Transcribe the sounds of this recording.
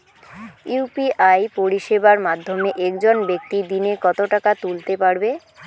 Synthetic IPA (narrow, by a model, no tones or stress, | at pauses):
upiʔajpoɾiʃebaɾmad̪ʱːomeʔɛkd͡ʑonbek̚t̪id̪inekɔt̪oʈakat̪ult̪epaɾbe